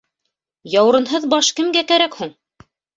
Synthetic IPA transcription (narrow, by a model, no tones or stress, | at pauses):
jɑwɾɤ̆nɦɤðbɑʃkɘ̆mɡækæɾækhuɴ